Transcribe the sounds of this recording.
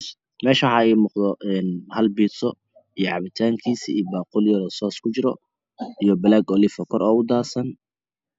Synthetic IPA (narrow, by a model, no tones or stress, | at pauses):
mɛːʃɐħɑɛːmuːqd̪ɔʔɛnhɐlbiːt̪sɔ | ijʕɑβɪt̪ʰaːŋkʰiːsiiːbaːqʊljɐɾɔsɔːskʰʊt͡ʃɪɾɔ | ijɔbɐlaːɡɔlɪfɔkʰɔɾɔːʊd̪aːsɐn